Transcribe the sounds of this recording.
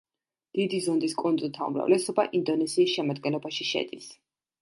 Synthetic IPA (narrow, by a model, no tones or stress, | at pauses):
d̪̥id̪izɔnd̪iskʼund̪zʼut̪ʰaṵmɾa̰vlɛsɔba̰ʔind̪ɔnɛsiːsʃɛmad̪ɡɛnlˠɔbaʃiʃɛ̰d̪̥is